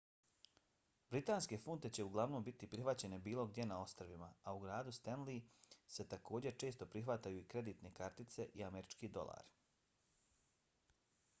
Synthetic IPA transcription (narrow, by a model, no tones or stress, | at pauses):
bɾit̪aːnske̞funt̪e̞t͡ɕe̞uɡlˠaʋnoːmbit̪ipɾixʋat͡ɕe̞ne̞biːlˠo̞ɡd̪je̞nao̞st̪ɾʋimaauɡɾaːd̪ust̪enlise̞t̪ako̞ːd͡ʑe̞t͡ʃe̞ːst̪o̞pɾixʋat̪ajuikɾe̞d̪iːt̪ne̞kaɾt̪it̪se̞ʔiameɾit͡ʃkid̪o̞̰lˠa̰ːɾ